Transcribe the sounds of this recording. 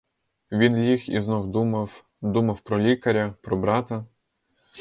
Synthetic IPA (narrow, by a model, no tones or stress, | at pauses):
ʋʲinjʲixḭznɔwd̪umɐw | d̪umɐwpɾɔlʲikɐɾʲɐpɾɔbɾɑt̪ɐ